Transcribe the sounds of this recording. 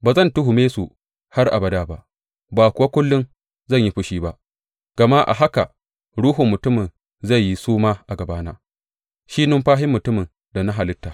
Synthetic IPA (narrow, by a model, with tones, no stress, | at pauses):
baː˨zɐ˦˨ntʊ˦ɦu˨meː˦su˨ | ha˦rʔa̰˨bɐ˦daː˦˨ba˦ʔ | baː˨kʷʊ˨wa˦kʷʊ˦lːʊ˦n | zɐ˦˨ɲji˦ɸʊ˦ʃiː˦ba˦ʔ | ɡ̥ɐ˨ma˦ʔa̰˨ɦa˦ka˨ | ɽuː˦ɦʊ˨mːʊ˨tʊ˦mɪ˨n | za˦˨jːi˦suː˦maː˦ʔa˨ɡɐ˨baː˦naː˦ | ʃi˦nʊ˦mɸaː˦ɦɪ˦mːʊ˨tʊ˦mɪ˨n | da˨na˦ɦa˨lɪ˦tːaː˨